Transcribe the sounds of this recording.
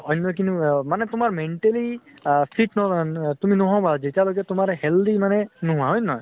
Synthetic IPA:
ɔjnːɔjk̬intumanɛtʊmaɹmɛnʈeli | sʰitnɔtuminɔɦɔ̃bazetialoɡɛtʊmaɹɛhɛld̪imanɛnɔɦʊ̃aɦɔjnːɔj

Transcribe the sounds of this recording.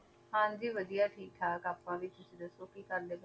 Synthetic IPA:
hãːnd͡ʒiːʋəd̪ijaːʈʰiːt̪ʰaːkaːpːãːʋit͡ʃɪsd̪əsoːkiːkəɾleːɡ

